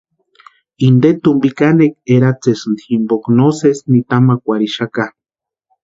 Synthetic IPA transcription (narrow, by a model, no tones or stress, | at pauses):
ind̪et̪umbikanek̚eɾat͡sesɨnd̪iximboknosesnit̪amakʷaɾiʃaka